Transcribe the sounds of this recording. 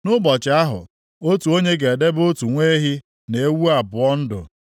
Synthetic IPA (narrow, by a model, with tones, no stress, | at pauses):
nʊ˦bɔ˨t͡ʃɪ˨a˦ɦʊ̰˨ | o˦tu˨o˦ɲe˦ɡe˨de˦bo˦tu˨ŋʷe˦ɦi˦ | ne˨e˦wu˦a˨bʊ˨ɔ˦n̩˦dʊ̰˨